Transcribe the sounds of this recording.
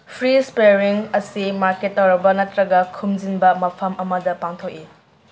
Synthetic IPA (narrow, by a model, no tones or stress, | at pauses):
pʰɾispeɾiŋɐsimaɾketːɐwɾɐbɐnɐtɾɐɡɐkʰumd͡ʒinbɐmɐpʰɐmɐmɐdɐpaŋtʰok̚i